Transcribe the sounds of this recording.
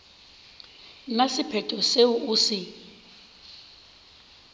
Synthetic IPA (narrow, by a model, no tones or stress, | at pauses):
nasipʰɛtʼɔseuʔusi